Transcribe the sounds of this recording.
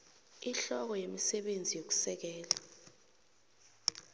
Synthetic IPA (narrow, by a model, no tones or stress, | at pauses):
iɬɔk̬ɔjemisɛɓend͡zʱijok̬u̥sɛk̬ɛːla